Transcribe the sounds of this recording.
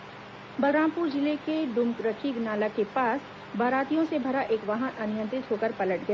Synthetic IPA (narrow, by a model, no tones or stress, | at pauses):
bɐɾãːmpuɾd͡ʒɪlekeɖ̪ʊmkɾəkʰiɡnaːlakepaːs | baːɾaːt̪ijõsebʱɐɾaʔeːkʋaːɦə̃nʔɐnɪjə̃nt̪ɾɪt̪ɦoːkəɾpɐləʈ̚ɡɐaː